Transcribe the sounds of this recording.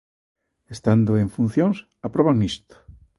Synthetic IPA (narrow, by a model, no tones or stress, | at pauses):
est̪and̪oeɱfun̟θjõŋs | apɾoβaŋist̪o̥